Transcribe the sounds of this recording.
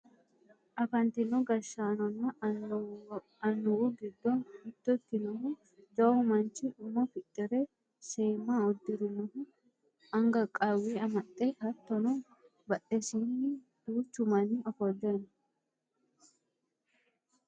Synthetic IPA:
ʔɐfɐnt̪ɪnɔɡɐʃaːnɔna | ɐnːʊuːɡɪd̪ːɔnɪd̪̥ːɔt̪ːɪnɔhu | d͡ʒɐʊmɐnt͡ʃɪʊmːɔfɪt̪ʼːɪɾe | seːmːaːɔd̪ːɪɾɪnɔhʊ | ɐŋɡɐkʼawiːɐmɐt̪ʼːehɐt̪ːɔnɔ | bɐʔʼesiːnːɪ | d̪̥uːt͡ʃːʊmɐniːɔfɔd̪eːnɐ

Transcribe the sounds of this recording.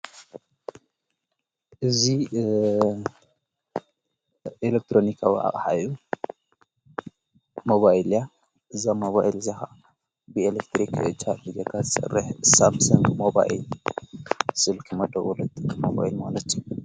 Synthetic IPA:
ʔɨzi | elek̚t̪ʰɾonikʰawḭʔa̰χʼħa̰jːu | moβaila | ʔɨzamoβaʔilzaxa | bɨelek̚t̪ʰɾikt͡ʃʰaɾlɨzekʰazɨsʼɨ̰rːɨħsamsɐŋɡmoba̰ʔḭl | sɨlkʰɨmɐd̪ɐwɔlɨd̪kmoβa̰ilmalɐt̪ʰːju

